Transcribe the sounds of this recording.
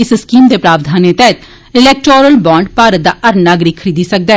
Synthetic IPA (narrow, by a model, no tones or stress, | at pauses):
ɪsskiːmd̪eːpɾaːbd̪ʱaːneːt̪ɛːt̪ | ɪlɛːk̚ʈɾoːɾəlbãːɳɖpaːɾət̪̚d̪a̰ːʔəɾnaːɡɾiːkʰːəɾiːd̪iːsək̚d̪aː